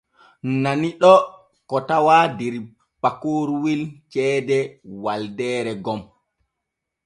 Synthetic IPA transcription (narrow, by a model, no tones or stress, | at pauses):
naniɗɔ | kɔtawadɛɾ | pakoɾuwilt͡ʃɛːdɛwaldɛːɾɛɡɔm